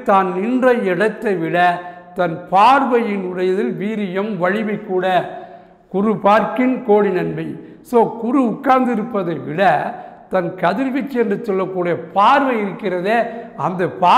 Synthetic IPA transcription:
t̪aːnnɪndrɐɪɽɐt̪ːɐɪʋɪɽɐt̪ɐnpaːɾʋɐjɪnʊɻɐjɐðɪlʋiːɾɪjɐmʋɐɻɪʋɐɪkːuːɽɐ | kʊɾʊpaːɾkɪnkoːɽinɐnbɐ | soːkʊɾɯʊkːaːɾnd̪ɪɾɯpːɐðɐɪʋɪɽɐt̪ɐnkɐðɪɾʋɪt͡ʃːɐɛndɯt͡ʃːɔlːɐkːuːɽɪjɐpaːɾʋɐjɪɾɯkːɪrɐðeːɐnd̪ɐpaː

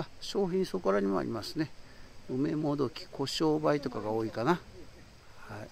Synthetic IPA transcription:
aɕo̞ːçĩɰ̃so̞koɾaɲ̟imo̰a̰ɾʲḭmasɨne̞ɯme̞mo̞d̪o̞kʲi̥kʰo̞ɕo̞ːbait̪o̞kaɡao̞ːikana | hai

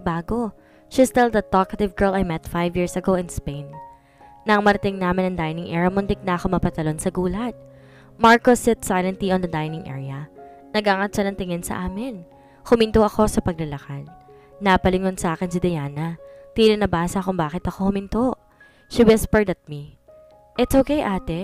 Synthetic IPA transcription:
baːɡo̞ | ʃist̪ɪld̪ɐt̪okɐt̪ɪvɡɛɹlɐjmɛt̪fajvjiːɹsɐɡoɪnspẽjnː | ɐŋmɐɾɐt̪ɪŋnaːmɪnɐŋd̪ajnɪŋʔɛɹɐmʊnd̪ɪk̚nɐʔɐkomɐpɐt̪ɐlo̞nsɐɡuːlɐt̪̚ | maɹkosɪt̪sajlɛnt̪liɔnd̪ɐd̪ajnɪŋʔɛ̰ɹiɐ | nɐɡaːŋɐt̪t͡ʃɐnɐŋt̪ɪŋɛnsɐ̰ʔaːmɪn | hʊmɪnt̪oʔɐko̞sɐpɐɡ̚lɐlɐkad̪ː | ɐpɐlɪŋonsɐʔaːkɛnsɪd̪ɐjaːnɐt̪iːlɪnɐbaːsɐkʊŋbaːkɪt̪ɐko̞hʊmɪnt̪oʔ | ʃibɛspɛɹd̪ɐt̪̚mi | ʔɪt̪sʔokejʔaːt̪ɛ

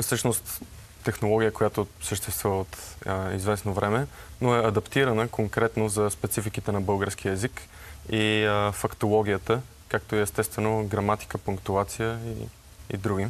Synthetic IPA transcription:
fsɤʃnost̪ː | ɛxnolˠɔɡʲijəkojat̪osəʃt̪ɛst̪vuvot̪ḭzvɛsnovɾʔɛmɛ | noɛɐd̪ɐpt̪iɾənəkʰoŋkɾɛt̪nozɐspɛt̪sifikit̪ɛnɐbɤlˠɡəɾsk̟iəɛzik | ifɐkt̪olˠɔɡʲijət̪ə | kak̚t̪oiɛst̪ɛst̪vɛnoɡɾɐmat̪i̥kəpʊŋkt̪uat̪sijəḭ | ḭd̪ɾuɡ̟i

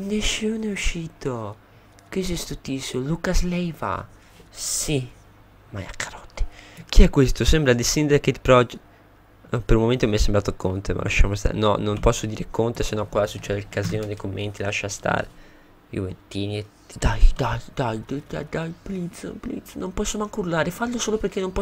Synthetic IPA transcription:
nesunɛuʃiːt̪o | kesɛst̪ut̪isolukaslɛjva̰ | si | maj̰akʰːaɾɔt̪ːi̥k̟iɛkːwest̪osɛmbɾad̪isind̪aket̪pɾɔd͡ʒ | peɾulmoment̪omiɛsːembɾaːt̪okont̪ema̰la̰ʃːa̰most̪a̰nɔnompɔsːod̪iːɾekʰont̪esenːɔkwasut͡ʃːɛd̪elkaziːnod̪ekomːent̪ilaʃːast̪a̰ːɾe | jṵvḛnt̪iːni | d̪ajd̪ajd̪ajd̪ed̪a̰d̪ajplit̪soplḭt̪sonompɔsːomaŋkuɾlaːɾefalːosoːlopeɾk̟enːompɔ

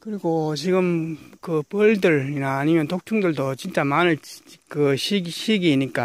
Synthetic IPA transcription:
kɯɾiɡot͡ɕiɡɯmkɯpʌɭdɯɭinaːɲimjʌnt̪ok̚t͡ɕʰuŋdɯɭdot͡ɕint͡ɕ͈amanɯɭkɯɕiɕʰiɡiɲik͈a

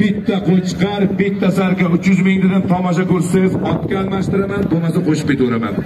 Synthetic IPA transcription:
bɪt̪ʰːaqolˠt͡ʃʰɨ̥qɑɾbɪt̪ʰːasaɾkʲaʊt͡ʃjʏzmɪŋd̪ɪd̪ant̪ʰɒmɒʃ̬akʲɵɾsɪzɒt̪kʲaːlˠmaʃt̪ɪɾamanbomasɪqʰoʃɪ̥p̚kʲet̪oɾama̰n

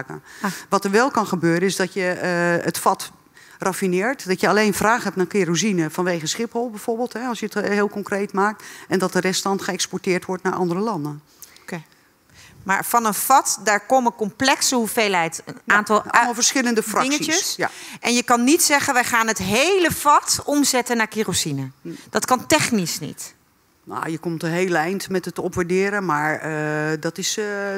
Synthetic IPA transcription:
kə̰ʋɔtərʋɛlˠkɑnxəbøːɾənɪsdɔtjəətfɔt | rafinɪːəɹtdɔtjəaleːnfraːxhɦɛp̚nakɪruzinəfɔnʋeːɣəsχɪphɔlˠbɛjv̥oɹbɪːlˠtɦɛɔlˠsjəthɪːlˠkɔŋkreːtmaːk̚tɛndɔt̚dərɛstɑntxəɛkspɔɹtɪːrtʋɔɹtnaɹʔɑ̰ndərəlɑndən | ma̰ːɹfɑnənfɑtdaːɹkoməkɔmplɛksəɦuvejlˠɦɛjtənaːntɑlˠmlˠfəɹsχɪləndəfrɑɪŋəisəsaʔɛnjəkɑnːitsɛχənʋɛjχaːnɦətɦejləv̥ɑtɔmzɛtənːaːɹkirosinəd̥ɑtkɑntɛχnisnḭt | no̰ːjəkɔmtəɦelɛjntmɛtətɔpʋaɹdɪːɾəmaːɹdɔtɪs

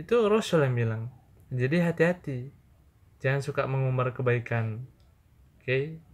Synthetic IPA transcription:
it̪uɾɔsuljaŋbilaŋ | d͡ʒadiɦat̪iɦat̪i | d͡ʒaansukaʔməŋumbarkəbaikan | kej

